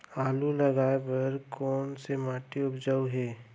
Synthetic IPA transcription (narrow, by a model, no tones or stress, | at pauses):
aːlulɐɡaːepɐɾkɔːnsemaːʈeʊpd͡ʒəuɦeː